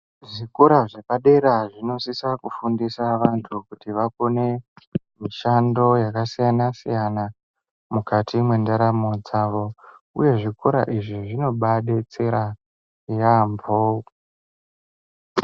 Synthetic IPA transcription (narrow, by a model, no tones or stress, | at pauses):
ʐikuɾaʐe̞paɗe̞ɾaʐino̞sisakufundisaʋantʰukutiʋako̞ne̞ | miʃando̞jakasijanasḭjana | mukatʰimwendaɾamod͡zaʋo̞ | ṵje̞ʐikuɾa̰ʔiʐiʐino̞ɓaɗet͡seɾa | jambo